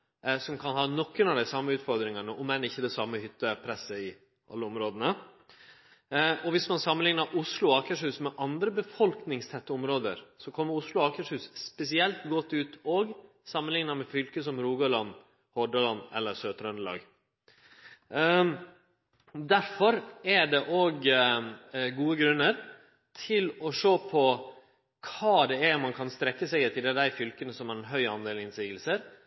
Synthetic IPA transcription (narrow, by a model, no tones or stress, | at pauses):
sɔmkʰɑnɦɑːnɔkːənɑd̪æɪsɑmːəʉːt̪fɔɾd̪ɾɪŋənəʔɔmɛnɪçːəd̪ɛsɑmːəhʏt̪ːəpʰɾɛsəɪ | ʔɑ̰lːəʊmɾoːd̪ənə | ɔʋɪsmɑnsɑmːənlɪŋnəɾʔʊslʊɑːkəʂhʉːsmɛʔɑnd̪ɾəbəfɔlknɪŋst̪ʰɛt̪ːəɔmɾoːd̪ə̰ɾsɔkʰɔmːəɾʊslʊɑːkəʂhʉːsspɛsɪɛlt̪ɡɔt̪ːʉːt̪oːɡ | sɑmːənlɪŋnəɾmɛfʏlkəs̬ɔmɾuːɡɑlɑn | hɔɖɑlɑnɛ̰lːəɾsøːt̪ɾœnəlɑ̰ːɡ | d̪æɾfɔɾæɖɛʔoːɡ | ɡuːəɡɾʉnːəɾ | t̪ʰɪlɔʂoːpʰɔ | kʰɑːd̪ɛæɾmɑnkʰɑnst̪ɾɛkːəsɛɡɛt̪ɪld̪ɛd̪æɪfʏlkənəsɔmɑɾɛnɦœʏɑnd̪eːlɪnsiːɡəlsəɾ